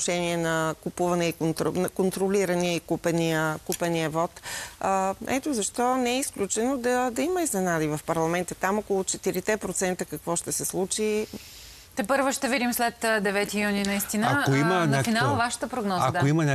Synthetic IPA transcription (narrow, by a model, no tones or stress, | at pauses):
nʃɛniɛnɐkupuvɐnɛit̪onkont̪ɾolʲiɾəniəikupəniəkupəniəvɔt̪ | ɛ̰t̪ozɐʃt̪ɔnɛɛisklʲut͡ʃɛnod̪ɐd̪ɐiməiznɛnad̪ivɐfpɐɾlˠɐmɛnt̪ət̪amokolˠʊt͡ʃɛt̪iɾit̪ɛpɾot̪sɛnt̪əkɐkvɔʃt̪ɛsɛslˠut͡ʃi | t̪ɛpɤɾvoʃt̪ɛvid̪imslɛt̪d̪ɛvɛt̪ijuninɐist̪inakoimənafinalˠvaʃə̥t̪əpɾoɡnɔzak̪oimənʲa